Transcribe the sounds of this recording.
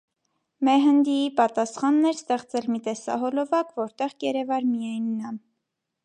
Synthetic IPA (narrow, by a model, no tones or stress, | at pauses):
mɛɦənd̪iipɑt̪ɑsχɑnːɛɾst̪ɛχt͡sɛlmit̪ɛsɑ̰ɦɔlɔvɑkvɔɾt̪ɛʁɡɛɾɛvɑɾmijɑjnːɑm